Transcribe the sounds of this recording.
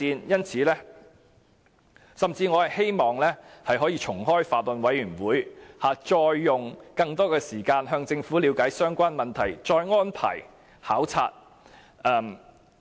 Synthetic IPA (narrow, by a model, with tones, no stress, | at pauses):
iː˧njɐ˥nt͡sʰiː˨˧˥lɛː˥ | sɐ˨mt͡siː˧ŋɔː˨˧hɐ˨jhe˥jmɔː˨ŋlɛː˥hɐ˨jɦɔː˨˥jiː˧t͡ʃʰʊ˨˩ŋɦɔː˥jfaː˨t̚lʊ˨nwɐ˨˧jɥyː˨˩nwuː˨˥jhaː˨˧t͡ʃɔː˧jːʊ˨ŋkɐ˧ŋt̪ɔː˥kɛː˧siː˨˩kaː˧nɦœː˧ŋt͡sɪ˧ŋfuː˨˥liː˨˧wkaː˨˥jsœː˥ŋkʷaː˥nmɐ˨nt̪ʰɐ˨˩jt͡ʃɔː˧jŋɔː˥npʰɐ̰˨˩j | haː˨˥wt͡sʰaː˧t̚ | ɐː˧m